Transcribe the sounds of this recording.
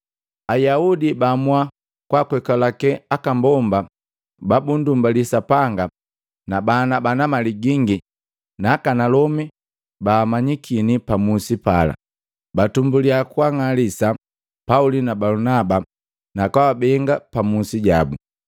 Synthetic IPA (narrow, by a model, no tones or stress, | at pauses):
ajaudibamwa | kwakwɛkalakɛakambɔmba | babundumbalisapaŋɡa | nabanabanamaliɡiŋɡi | naːkanalɔmi | baːmaɲikʰinipamusipala̰ | batumbuliakwaŋalisa | paulinabalunaba | nakawabɛŋɡapamusiɟa̰bu